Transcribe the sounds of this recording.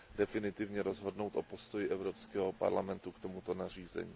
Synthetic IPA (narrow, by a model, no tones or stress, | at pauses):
dɛfɪnɪt̪ɪvɲɛɾo̞zɦo̞dno̞wt̪ʔopo̞st̪o̞jɪʔɛvɾopskɛːɦopa̰ɾlamɛnt̪ukt̪o̞mut̪o̞nar̝iːzɛ̰ɲḭː